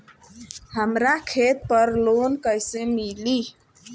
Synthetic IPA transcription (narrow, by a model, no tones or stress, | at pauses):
həmɾakʰet̪̚pəɾlonkəjsemili